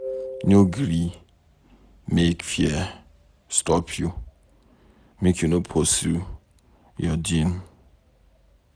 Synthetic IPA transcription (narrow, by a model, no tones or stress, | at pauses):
nuɡɾi | mekfjɛ | stɔpʰju | mikʰunopʰosu | jɔd͡ʒĩn